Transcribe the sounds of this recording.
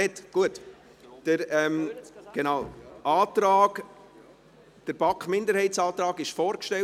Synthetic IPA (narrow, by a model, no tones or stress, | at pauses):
ɛtɡ̥uət | d̥əɾɛmɡ̥enaʊʔɑːt̪ɾɑːɡ | d̥əɾb̥ɑkχmɪndəɾhɛɪtt͡sɑːt̪ɾɑːɡɪʃfɔːɾkʃtɛl